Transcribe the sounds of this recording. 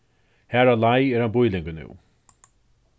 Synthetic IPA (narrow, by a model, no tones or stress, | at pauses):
hæːɾalajɛɾhanbʊjlɪŋkənʉ̰ː